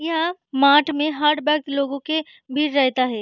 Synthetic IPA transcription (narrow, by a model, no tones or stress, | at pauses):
ɦãmaːʈmẽɦaːɾɖbɛːk̚t̪loːɡõke | bʱiːɾɾɛɦt̪aɦɛː